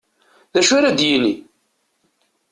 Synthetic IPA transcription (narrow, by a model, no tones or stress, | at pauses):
ðæʃʊɾad̪jini